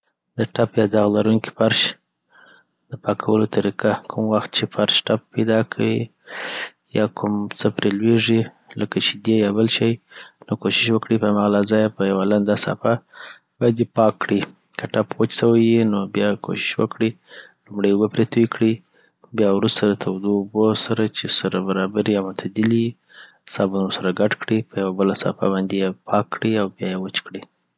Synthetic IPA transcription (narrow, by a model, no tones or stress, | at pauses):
d̪əʈapjɑd̪ɑɣlaɾuŋki̥faɾʃ | d̪əpɑkʰawəlot̪aɾikakʰumwaxt̪̚t͡ʃefaɾʃʈappajd̪ɑkʰawi | jɑkʰʊmt͡səpɾelweʐi | ləkat͡ʃed̪ejɑbəlʃajnokoʃɪʃwəkɽipəhamaɣalazɑjapəjawaland̪ɑsa̰fa | b̥ɑjad̪epɑkːɽi | kaʈapwət͡ʃsawajinobjɑkʰo̰ʃɪ̥ʃwə̰kɽi | lumɽəjbəpɾet̪ujikɽi | bjɑwɾust̪ad̪ət̪ʰawd̪obosaɾat͡ʃesaɾabaɾɑbaɾiamat̪ʰad̪ɪli | sɑbunosaɾaɡaʈkɽipʰəjawabəlasɑ̰fa̰bɑnd̪ejepʰɑkːɽiawbjɑjewət͡ʃkɽi